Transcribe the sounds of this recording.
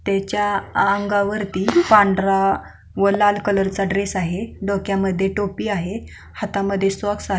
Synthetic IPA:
t̪jat͡ɕjaːŋɡaʋəɾt̪iːpãɳɖɾa | ʋəlalkələɾt͡saɖɾesaɦeɖokjaməd̪ʱːjeʈopiːaɦe | hat̪aməd̪ʱːjesʋəksaɦ

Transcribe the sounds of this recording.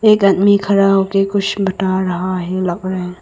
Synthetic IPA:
eːkɐd̪mikʰɐɾaɦoːkekʊt͡ʃʰbɐʈaɾɐɦaɦɛlɐɡɾɐɦɛ

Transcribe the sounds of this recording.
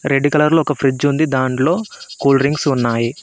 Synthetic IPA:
ɾeɖːikɐlɐɾluɔkɐpʰɾid͡ʒund̪id̪aːɳʈlo̞ːkuːlɾiŋɡsunːaːji

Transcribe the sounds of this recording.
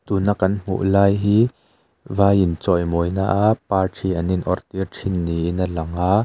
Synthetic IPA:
t̪uːnakːɐnm̥ṵʔlaːjɦiː | vaːjɪnt͡sɔjmɔjna̰ːʔaʔpaːrʈʰiʔɐninʔɔrt̪irʈʰinːiʔinɐlɐŋaː

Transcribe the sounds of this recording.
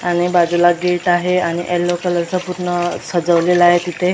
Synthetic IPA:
aɽ̃ibad͡zulaɡeʈaɦeaɽ̃iʔelːokələɾsəpuɾɳəsəd͡zəʋleləaɦet̪it̪ʰe

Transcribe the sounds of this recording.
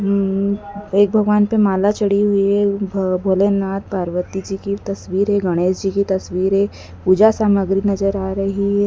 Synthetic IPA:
ɦ | eːk̚bʱɐɡʋaːnpemaːlat͡ʃɐɽiɦʊiɦɛbʱoːlenːaːt̪̚paːɾʋət̪id͡ʒikit̪ɐsʋiːɾɦɛɡɐɽ̃eːsd͡ʒikit̪ɐsʋiːɾɦɛ | pud͡ʒasaːməɡɾinɐd͡ʒəɾaːɾɐɦiɦɛ

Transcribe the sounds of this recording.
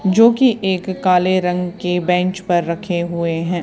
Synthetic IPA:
d͡ʒoːkiʔeːkːaːleɾɐ̃ŋɡkebɛ̃ːɲt͡ʃpɐɾːɐkʰeɦʊeɦɛ̃ː

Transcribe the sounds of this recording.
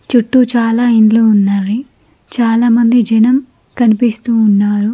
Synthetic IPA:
t͡ʃuʈːut͡ʃaːlaːinluunːaːli | t͡ʃaːlaːmɐnd̪id͡ʒɐnɐm | kɐnipist̪uːnːaːɾu

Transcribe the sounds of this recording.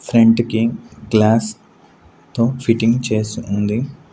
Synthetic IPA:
pʰɾeɳɖkiɡlaːs | t̪o̞ːpʰiʈiŋɡt͡ʃe̞ːsuund̪i

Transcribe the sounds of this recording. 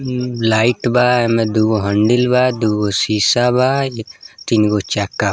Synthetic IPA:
laiʈbaɛmed̪uɡoɦəɳɖilbad̪uɡosiːsaba | t̪inɡot͡ʃɛkːa

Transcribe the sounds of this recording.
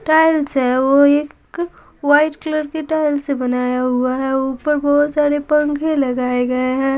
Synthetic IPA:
ʈaːɪlsɦɛʋoeːk | ʋaːɪʈkləɾkeʈaːɪlsebɐnaːjaɦuaɦɛʊpəɾbɔːɔt̪saːɾepɐ̃ŋkʰẽlɐɡaːeɡɐeɦɛ̃

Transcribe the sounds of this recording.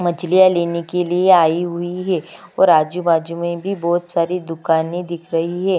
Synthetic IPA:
mɐt͡ʃlijaleːnekelieaːiɦʊiɦɛː | ɔ̰ːɾaːd͡ʒubaːd͡ʒumẽbʱibɔːt̪saːɾid̪ʊkaːnẽd̪ɪkʰɾɐɦiɦɛː

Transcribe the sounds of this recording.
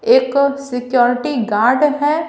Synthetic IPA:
eːksɪkjɔːɾɪʈiɡaːɾɖɦɛ

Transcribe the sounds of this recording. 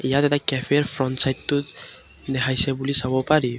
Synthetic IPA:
ɛjatɛtakɛfʰeɹpʰɹɔntsajttːʊ | d̪ɛkʰajsɛbulisabɔpaɹi

